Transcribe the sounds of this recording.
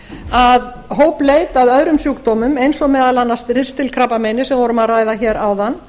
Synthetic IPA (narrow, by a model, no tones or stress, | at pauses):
að | ɦoːwplejt̪aðœðɾʏmsjuːkt̪ɔːmʏmejnsɔɣmɛːðalanːast̪rɪr̥st̪ɪlkʰɾapamɛjnɪsɛmvɔːɾʏmaðrajðaçɛːɾawðanː